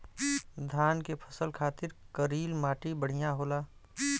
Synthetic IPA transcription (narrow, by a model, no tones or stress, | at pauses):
d̪ʱaːnkepʰə̥səlkʰaːt̪ɪɾkəɾiːlmaːʈibəɽ̤ijaɦoːlaː